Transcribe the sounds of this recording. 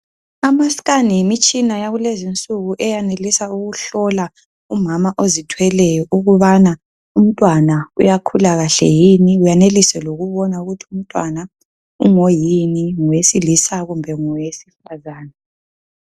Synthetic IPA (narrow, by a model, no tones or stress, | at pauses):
amasi̥ɣanijimit͡ʃʼinajaɣulezint͡sʼuɣuʔɛjanelisauɣuɬɔla | umamaʔozitʰwɛlɛjɔʔuɣuβana | um̩tʼwanaujakʰulaɣaɬɛ̰jiniujanelisɛloɣuβɔnauɣutʰium̩tʼwana | ṵŋojiniŋɔwesilisaɣumbʱɛŋɔwesifazaːna